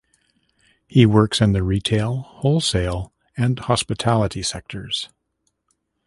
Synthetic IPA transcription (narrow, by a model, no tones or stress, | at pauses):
hiwɜ˞ksɨ̃nðɨɹitʰeɪlˠhoʊlˠseɪlˠ | ɨ̃nhɑspɨtʰælˠəɾisɛk̚tʰə˞z̥